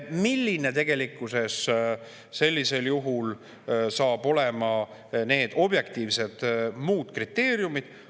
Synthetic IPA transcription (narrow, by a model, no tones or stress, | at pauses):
milʲːine̞t̪e̞ɡ̥e̞likːˑuse̞s | se̞lʲːise̞ljuɦul | sɑːb̥o̞le̞mɑ | ne̞ːd̪̥o̞b̥je̞kt̪iːvse̞d̪̥muːd̪̥krit̪ːe̞ːɾjumid̪̥